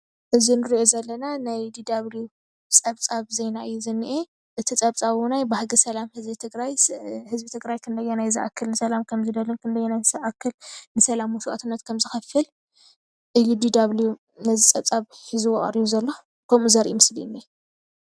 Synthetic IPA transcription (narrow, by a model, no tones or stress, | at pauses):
ʔɨzinɨɾiʔozɐlːɐnanajd̪id̪aβlju | t͡sʼɐβt͡sʼaβzejnaʔɨjːuzɨnːiʔe | ʔɨt̪ʰit͡sʼɐβt͡sʼaβunajbahɡɐsɐlamhɨzbit̪ʰɨɡɾajhɨzbit̪ʰɨɡɾajkʰɨnd̪ɐjːonajzɨʔa̰kʰːɐlnɨsɐlamkʰɐmzɨd̪ɐlunkʰɨnd̪ɐjːonajzɨʔakʰːɨlnɨsɐlamuʃuʔat̪ɨnːɐt̪kʰɐmzɨxɐfɨl | ʔɨjːud̪id̪aβlju | nɐzit͡sʼɐβt͡sʼaβhɨzɨwoʔʼɐ̰ɾijuzɐlːo̞ | kʰɐmuzɐɾʔimɨslinːie